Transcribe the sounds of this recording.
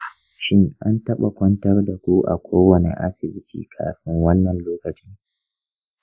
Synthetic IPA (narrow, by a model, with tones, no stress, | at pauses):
ʃɪ˦ŋʔa˦ntɐ˦ɓa˨kʷɐ˦ntɐ˦rda˨kʷu˦ʔa̰˨kʷoː˦wɐ˨nḛ˨ʔa̰˦sɪ˨bɪ˦tʰḭː˨kʰa̰ː˨ɸɪ˦ŋwɐ˦nːɐ˨nloː˦kɐ˨t͡ʃɪ˦ŋ